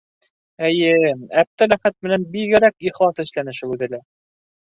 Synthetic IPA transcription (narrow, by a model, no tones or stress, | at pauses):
æjɘæp̚t̪ælæχæt̪̚mɘ̆nænbiɡɘ̆ɾækiχlˠɑsɘ̆ʃlænɘʃɘʉðɘ̆læ